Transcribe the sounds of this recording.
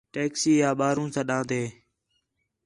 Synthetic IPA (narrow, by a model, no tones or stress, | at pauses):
ʈeːksiːjaːɓaːɾũːsãːɗãːd̪eː